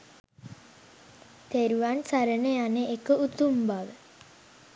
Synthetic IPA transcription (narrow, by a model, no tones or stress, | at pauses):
t̪eɾuʋansaɾənejaneekəut̪umbaʋə